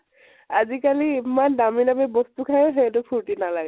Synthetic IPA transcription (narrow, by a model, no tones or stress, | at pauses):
azikaliimandaminabɛbɔstukʰajoɦetʊpʰuɹtinalaɡɛ